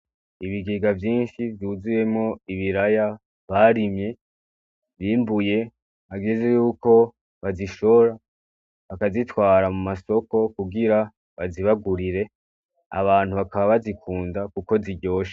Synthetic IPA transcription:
iβiɡiɡavjiːnʃivjuːzije̞mŋo̞iβiɾaja | βaɾimɲe̞ | βiːmbuje̞ | aɡeze̞juːko̞ | βaziʃo̞ɾa | βakazitwaːɾamumaso̞ko̞kuɡiɾa | βaziβaɡuɾiɾe̞ | a̰βaːn̥huβakaβaβazikʰuːndakuko̞ziɟo̞ːʃḁ

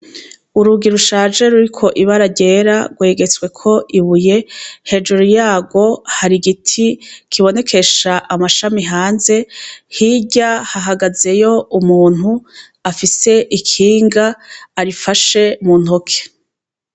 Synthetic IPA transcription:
uɾuɡiɾuʃaːʒe̞ɾuɾikʰo̞ʔiβaɾaɟe̞ːɾa̰ɡwe̞ːɡe̞t͡swe̞kʰo̞ʔiβuje̞he̞d͡ʒuɾujaːɡo̞haɾiɡitʰikʰiβo̞ne̞kʰe̞ʃaʔamaʃamiɦaːnze̞hiɟahaɦaɡaze̞jo̞umuːn̥hu | afise̞ʔikʰiːŋɡaːɾifaʃe̞mun̥okʰe̥

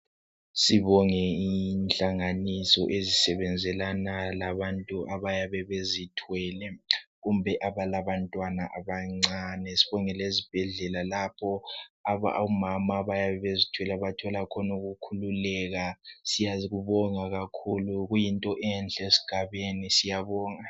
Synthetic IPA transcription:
siβɔŋɛinɬʼaŋanisɔ̰ʔezisɛβɛnd͡zʱɛlanalaβantʼuʔaβajaβɛβezitʰwɛlɛɣumbʱɛʔaβalaβantʼwanaʔaβaŋ͡ǀanɛsi̥βɔŋɛlezib̥ʱɛɮɛlalapʰɔaβa̰umamaβajaβɛβezitʰwɛlaβatʰɔlakʰɔnuɣukʰululɛɣasijaɣuβɔŋaɣakʰuluɣujintʼɔʔɛnɬʼesi̥ɡ̥ʱaβenisijaβɔːŋa

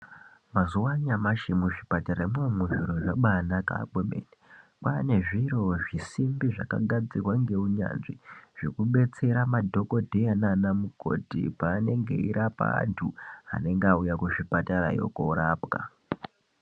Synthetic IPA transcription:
mazuwaɲamaʃimuʐipataɾaimemuʐiɾo̞ʐaɓanaka̰ːɓomḛːnepane̞ʐiɾo̞ʐisimbiʐa̰ka̰ɡʱad͡zirwaŋɡe̞uɲa̰nʐiʐ̥e̞kuɓe̞t͡se̞ɾamadʱo̞ko̞dʱejananamuko̞̰tḭpaːne̞ŋɡe̞̰iɾʔapa̰a̰ntʰua̰ne̞ŋɡaujakuʃipataɾa̰jo̰ko̰ɾaːpka̰

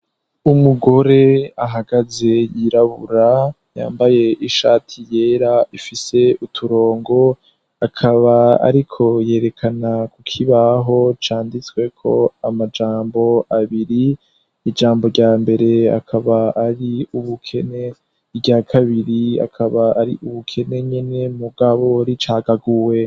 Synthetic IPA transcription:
umuɡo̞ɾe̞aɦaɡaze̞jiɾaβṵɾa | ja̰ːmbaje̞ʔiʃaːtʰije̞ːɾaifise̞utʰuɾo̞ːŋɡo̞ | akʰaβaa̰ɾikʰo̞je̞ːɾe̞kʰanakukʰiβaɦo̞t͡ʃaːndit͡swe̞kʰo̞̰amad͡ʒaːmbo̞aβiɾiː | d͡ʒaːmbo̞ɾɟaːmbe̞ɾe̞a̰kʰaβaaɾiuβukʰe̞ne̞ | ibɟakʰaβiɾia̰kʰaβaaɾḭʔuβukʰe̞ne̞ɲe̞ne̞muɡaβo̞ɾit͡ʃaːɡaɡuwe̞

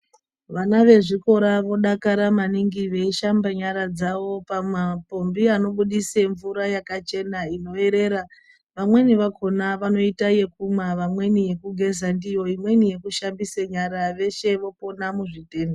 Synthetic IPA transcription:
ʋanaʋe̞ʐiko̞ɾaʋo̞ɗakaɾamaniŋɡiʋe̞iʃambaɲaɾad͡zaʋo̞pamapo̞mbiano̞ɓuɗiseɱvuɾajakat͡ʃe̞naino̞e̞ɾe̞ɾa | ʋamwe̞niʋakʰo̞naʋano̞itaje̞k̚umwaʋamwe̞nije̞kuɡʱe̞zandijo̞imwe̞nije̞kuʃambiseɲaɾaʋe̞ʃe̞ʋo̞po̞namuʐite̞ːndo

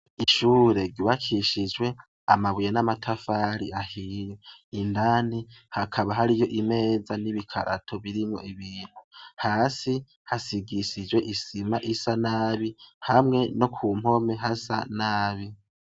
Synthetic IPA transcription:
iʃuːɾe̞ɾɟuβakʰiʃid͡ʒwe̞ | a̰maβujenamatʰafaːɾiʔahijeindanihakʰaβaɦaɾijo̞ʔime̞ːzaniβikʰa̰ɾʔa̰tʰo̞βiɾimŋo̞̰ʔiβiːn̥huhaːsi | hasiɡisid͡ʒwe̞ʔisimaʔisanaːβihamŋe̞no̞kʰuːm̥ho̞me̞ɦasa̰naːβi

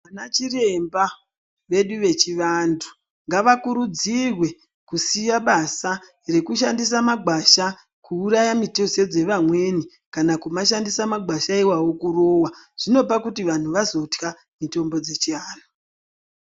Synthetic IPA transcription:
ʋanat͡ʃire̞mba | ʋe̞ɗuʋe̞t͡ʃiʋandʰu̥ | ŋɡaʋakuɾud͡zirwe̞ | kusijaɓasa | re̞kuʃandisamaɡʱwaʃa | kʰuːɾajamitosed͡ze̞ʋamwe̞ni | kanakumaʃandisamaɡʱwaʃaiwawo̞kuro̞ːwaʐ̥ino̞pakutiʋan̤uʋazo̞tka | mito̞mbo̞d͡ze̞t͡ʃiaːno

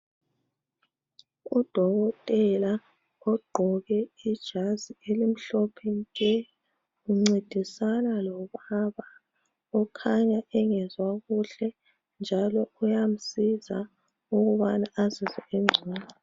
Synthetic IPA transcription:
ud̥ʱɔɣɔtʼɛla | ɔɡ͡ǃʱɔɣɛid̥ʒ̥ʱazielim̩ɬɔpʰenikʼɛ | ɣuŋ͡ǀed̥ʱisanalɔβaβa | ɔkʰaɲaɛŋɛzwaɣuɬɛ | nd͡ʒʱalɔujam̩siza | uɣuβanaazizɛeŋ͡ǀʱiːna

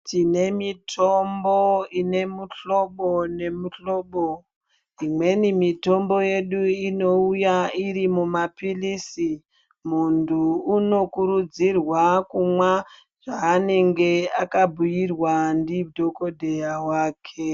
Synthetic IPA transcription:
tine̞mitʰo̞mboine̞muɬo̞ɓo̞ne̞muɬo̞ːɓo | imwe̞nimito̞mbo̞je̞ɗuino̞ujaiɾimumapilisi | munduːno̞kuɾud͡zirwakumwa | ʐ̥aːne̞ŋɡe̞akabʱujirwandidʱo̞ko̞dʱe̞jawaːkʰe

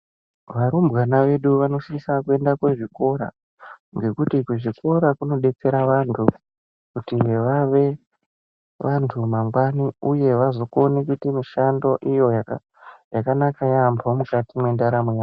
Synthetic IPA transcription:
ʋaɾumbɣanaʋe̞ɗuʋano̞ʃiisakue̞ndakwe̞ʐiko̞ɾa̰ | ŋɡe̞kutikweʐiko̞ɾakuno̞ɗe̞t͡seɾaʋantʰu | kutiʋaʋe̞ | ʋantʰumaŋɡwaniuje̞ʋazo̞konekutimiʃando̞ʔijo̞ja | jakanakajambomukatimwe̞ndaɾamwea

